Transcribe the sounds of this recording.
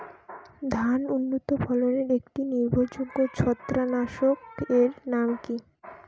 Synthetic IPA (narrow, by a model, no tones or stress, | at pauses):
d̪ʱanunːot̪opʰɔloneɾekʈiniɾbʱod͡ʑuɡːot͡ɕʰɔt̪ːɾanaʃokeɾnamki